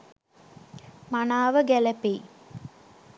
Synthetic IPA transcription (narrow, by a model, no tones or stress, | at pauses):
manaːʋəɡæləpeː